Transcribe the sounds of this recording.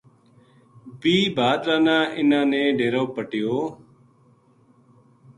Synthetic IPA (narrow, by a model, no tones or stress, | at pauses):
biːbʱaːd̪ɾaːnãːʔɪnãːnẽːɖeːɾoːpəʈɪjoː